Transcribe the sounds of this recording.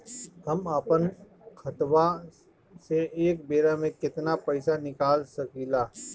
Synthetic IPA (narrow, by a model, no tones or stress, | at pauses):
hɐmaːpən | xʰɐt̪ʋa | seeːk̚beːɾamẽkɪt̪napɐɪsanɪkaːlsɐkiːlaː